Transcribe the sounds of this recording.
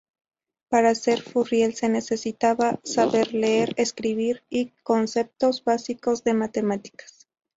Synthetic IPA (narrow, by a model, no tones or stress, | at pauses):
paɾase̞ɾfurje̞lse̞ne̞se̞sit̪aβasaβe̞ɾleeɾeskɾiβiɾiko̞nse̞p̚t̪o̞zbasiko̞zðe̞mat̪e̞mat̪i̥kḁs